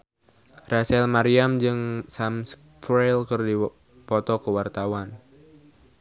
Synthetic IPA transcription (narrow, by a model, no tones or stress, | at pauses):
rasɛlmaɾiamd͡ʒɨŋsams | fɾelkɨrdi | pɔt̪ɔkəwart̪awan